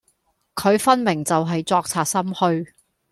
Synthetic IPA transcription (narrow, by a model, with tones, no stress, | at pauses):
kʰɵ˨˧ɥfɐ˥nmɪ˨˩ŋt͡sɐ˨wɦɐ˨jt͡sɔː˧k̚t͡sʰaː˧t̚sɐ˥mhɵ˧ɥ